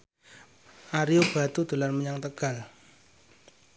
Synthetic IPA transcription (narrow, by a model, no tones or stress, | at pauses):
ʔaɾiob̥a̤t̪ud̪̥o̤larməɲaŋt̪əɡ̥a̤l